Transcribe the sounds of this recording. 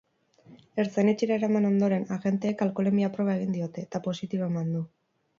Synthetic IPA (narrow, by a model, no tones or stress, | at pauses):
e̞ɾt͡sanet͡ʃiɾaeɾamano̞nd̪o̞ɾe̞naɣe̞nt̪e̞ːkalko̞le̞miapɾo̞βae̞ɣ̞ind̪io̞t̪e̞t̪apo̞sit̪iβoe̞mand̪u